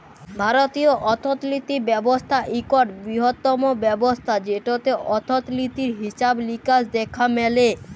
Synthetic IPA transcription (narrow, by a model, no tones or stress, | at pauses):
bʱaɾot̪ioʔɔt̪ʰot̪lit̪ibɛbost̪ʰaʔikoʈbɾiɦot̪ːɔmobɛbost̪ʰad͡ʑeʈot̪eʔɔt̪ʰot̪lit̪iɾɦiʃablikasd̪ɛkʰamɛle